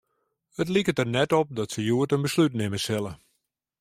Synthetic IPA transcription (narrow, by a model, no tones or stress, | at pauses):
hətlikətərnɛtɔp̚dɔtsəjuətənbəslytnɪməsɪlˠə